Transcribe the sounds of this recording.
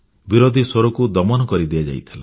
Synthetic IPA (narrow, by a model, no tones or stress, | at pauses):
biɾod̪ʱisoɾɔkud̪ɔmɔnɔkɔɾid̪iad͡ʒa̰jt̪ʰila